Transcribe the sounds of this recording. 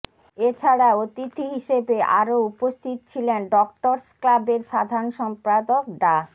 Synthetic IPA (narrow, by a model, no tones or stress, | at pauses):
et͡ɕʰaɽaot̪it̪ʰːiɦiʃebeʔa̰ɾoupost̪ʰit̪ot͡ɕʰilenɖɔkʈoɾsklabeɾʃad̪ʱanʃɔmpɾad̪ok̚ɖa